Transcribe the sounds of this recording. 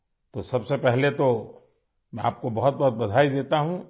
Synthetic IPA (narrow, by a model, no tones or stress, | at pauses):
t̪osɐbsepɛɦlet̪o | mɛ̃a̰ːp̚kobɐɦʊt̪̚bɐɦʊt̪̚bɐd̪ʱaːid̪eːt̪aɦũ